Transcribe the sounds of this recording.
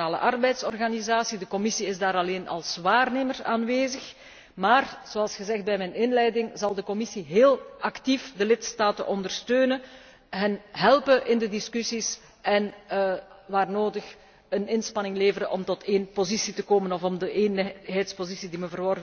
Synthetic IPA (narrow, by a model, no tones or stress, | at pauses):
aːlə̰ʔɑrbɛjtsɔrɣanizaːsidəkɔmɪsiɪzdaːɾɑleːnʔɑ̰lˠsʋaːrneːməra̰ːnʋeːzəx | maːrz̥oɑlˠsxəzɛxt̚bɛjmɛnɪnlɛjdɪŋzɑlˠdəkɔmɪsiɦeːlˠɑktifdəlɪtstaːtə̰nʔɔndərstøːnə | ɦənɦɛlˠpəʔɪndədɪskysis | ɛn | ʋaːrnoːdəx | ənɪnspɑnɪŋleːvəɾəʔɔmtɔtʰeːnpozisitəkoːmənɔfɔmdəʔeːnɦɛjtspozisidiməvərʋɔrv